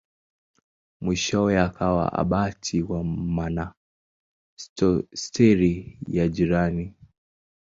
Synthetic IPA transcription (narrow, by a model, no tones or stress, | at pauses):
mwiʃɔɛakʰawa̰ʔa̰ɓatʰiwamana | stɛɾijad͡ʒiɾani